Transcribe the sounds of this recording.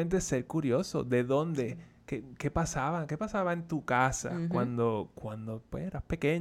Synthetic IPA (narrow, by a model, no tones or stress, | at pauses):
ent̪̬ese̞ɾkuɾjo̞so̞̰ðe̞ðo̞nd̪e̞kekepasaβake̞pasaβaent̪ukasa̰kwand̪o̞kwand̪opweseɾaspe̞ke̞ɲ